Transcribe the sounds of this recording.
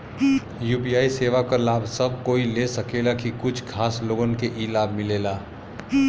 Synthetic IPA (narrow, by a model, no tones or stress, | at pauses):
juːpijaːiseːʋakɐlaːbsəb̚koːilesəkeːlakikʊt͡ʃʰkʰaːsloːɡonkeʔiːlaːbmɪleːlaː